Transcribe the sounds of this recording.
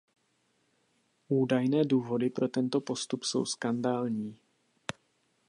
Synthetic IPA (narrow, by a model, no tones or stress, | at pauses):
ʔuːdajnɛːduːvo̞dɪpɾo̞t̪ɛnt̪o̞po̞st̪upso̞̰wskandaːlɲiː